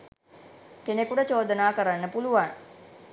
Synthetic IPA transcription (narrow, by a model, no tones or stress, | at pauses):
kenekuʈət͡ʃoːd̪ənaːkəɾanːəpuluʋaŋ